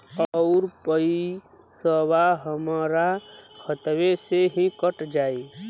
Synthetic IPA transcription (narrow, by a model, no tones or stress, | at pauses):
ɔʊɾpəi | səbaɦəmaɾakʰət̪weseɦikəʈd͡ʒaːi